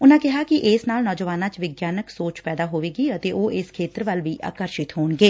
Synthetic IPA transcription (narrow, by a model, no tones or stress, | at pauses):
ʊnãːkɪɦaːkɪʔɪsnaːlnɔːd͡ʒəʋaːnãːt͡ʃʋɪɡjaːnəksoːt͡ʃpɛːd̪aːɦoːʋeːɡiːət̪eːʔoːʔɪskʰeːt̪əɾʋəlʋiːʔa̰ːkəɾʃɪt̪ɦoːnɡeː